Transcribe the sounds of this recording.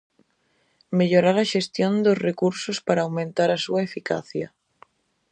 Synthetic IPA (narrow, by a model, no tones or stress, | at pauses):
meʎoɾaɾaʃest̪jond̪osrekuɾsospaɾaːwmẽnt̪aɾasuaefika̰θja